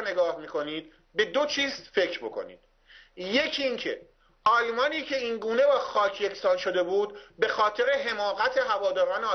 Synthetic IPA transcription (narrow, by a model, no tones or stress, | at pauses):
ne̞ɡɒːhmiːkʰo̞niːd̪̥̚ | be̞d̪ot͡ʃʰiːzfe̞cʰɾbo̞̰kʰo̞̰nḭːd̪̥ | je̞cʰiŋcʰe̞ | ɒːjmɒːniːcʰe̞iːnɡuːne̞bɒːxɒːcʰje̞cʰsɒːnʃo̞d̪e̞buːd̪be̞xɒːt̪ʰe̞ɾe̞ɦe̞mɒːɣæt̪ʰe̞ɦævɒːd̪ɒːɾɒːneː